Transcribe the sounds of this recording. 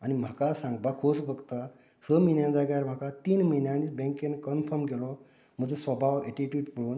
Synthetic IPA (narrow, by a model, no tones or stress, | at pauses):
añim̤akasãŋɡ̚bakʰosbʱəɡt̪a | səminjãd͡zaɡjaɾm̤akat̪iːnmənjãnibẽŋkenkənfʰəɾmɡelɔ | m̤əd͡zesʋəbʱaweʈiʈjuɖpəɭuːn